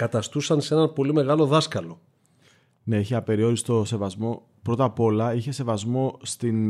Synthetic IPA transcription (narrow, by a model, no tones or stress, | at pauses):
kɐt̪ɐst̪usɐnsee̞nɐnpo̞lime̞ɣɐlo̞ðɐskɐlo | ne̞içeɐpe̞ɾio̞ɾist̪o̞se̞vɐzmo̞ | pɾo̞t̪ɐpo̞lɐiçe̞se̞vɐzmo̞st̪in